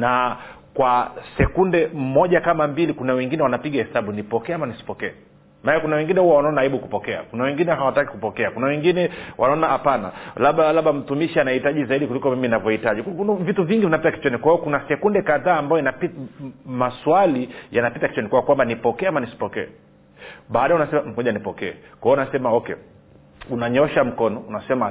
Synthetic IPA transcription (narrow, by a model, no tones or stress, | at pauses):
na | kwasɛkundɛm̩mɔʄakamambilikunawɛŋɡinɛwanapiɠahɛsaɓunipɔkɛːamanisi̥pɔkɛɛ | manaɛkunawɛŋɡinɛhuwawanaɔnaaiɓukupɔkɛa̰kunawɛŋɡinɛɦawatakikupɔkɛakunawɛŋɡinɛwʔa̰naɔnahapana̰laɓalaɓam̩tumiʃianahitaʄizaiɗikulikɔmiminavjɔhitaʄikkvituviŋɡivinapitaki̥t͡ʃwɛnikwaijɔkunasɛkundɛkaðaːmbajɔinapimaswalijanapitaki̥t͡ʃwɛnikwawakwambanipɔkɛamanisi̥pɔkɛɛ | ɓaːɗajɛunasɛmam̩kɔʄanipɔkɛɛ | kwajnasɛmaɔkɛ̰ | unaɲɔʃam̩kɔnɔunasɛma